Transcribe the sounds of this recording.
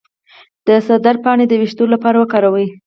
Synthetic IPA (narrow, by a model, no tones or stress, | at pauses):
d̪̥əsad̪aɾpɑɳed̪əwiʃt̪olapɑɾawəkɑɾawə